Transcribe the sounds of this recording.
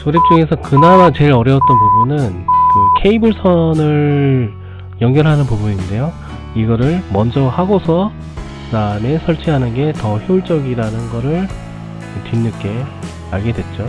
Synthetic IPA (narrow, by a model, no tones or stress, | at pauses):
t͡ɕoɾep̚t͡ɕ͈oŋesʰʌkɯnanat͡ɕe̞ɾʌɾjʌwt̚t͈ʌnpubunɯnkɯkʰe̞ibɯɭsʰʌnɯɭ | jʌŋɡjʌɭɦanɯnpubuninde̞jo | iɡʌɾɯɭmʌnd͡ʑʌhaɡosʰʌ | kɯdaɯme̞sʰʌɭt͡ɕʰiɦanɯnɡe̞tʌheuɭt͡ɕ͈ʌɡiɾanɯnɡʌɾɯɭ | tinːɯk͈e̞ | aɭɡe̞dwe̞t̚t͡ɕ͈o